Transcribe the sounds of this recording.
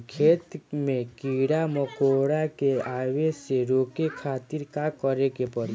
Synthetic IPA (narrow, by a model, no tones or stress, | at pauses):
kʰeːt̪mẽkiɽamɔkoːɽakeaːʋeseɾoːkekʰaːt̪iɾkakɔɾekepɔɾ